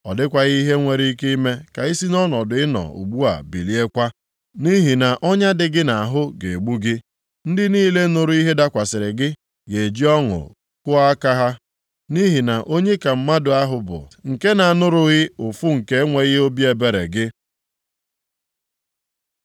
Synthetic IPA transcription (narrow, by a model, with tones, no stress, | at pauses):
ɔ˨dɪ˦kʷa˨ɣi˦ɦe˦ŋʷe˨ɾi˦i˦ke˦i˦me˦ka˨i˦si˦nɔ˦nɔ˨dʊ˨ɪ˦nɔ̰˨ṵ˨ɡ͡bu˦a̰˨bi˨li˨e˦kʷa˦ | ni˦ɦi˨na˨ʔɔ˦ɲa˦dɪ˨ɡɪ˦na˨ɦʊ˦ɡe˨ɡ͡bu˦ɡɪ˦ | n̩˦dɪ˦niː˦le˦nʊ˨ɾʊ˦i˦ɦe˦da˦kʷa˨sɪ˨ɾɪ˨ɡɪ˦ | ɡe˨d͡ʒi˦ɔ˦ŋʊ̰˨ | kʊ˦a˦ka˦ɦa˦ | ni˦ɦi˨na˨ʔo˦ɲe˦ka˨m̩˦ma˦dʊ˨a˦ɦʊ˨bʊ̰˨ŋ̩˨ke˦na˨a˨nʊ˦ɾʊ˨ɣɪ˦ʊ˨fʊ˦ŋ̩˨ke˦ŋʷe˦ɣɪ˦o˦bi˦e˨be˨ɾḛ˨ɡɪ˦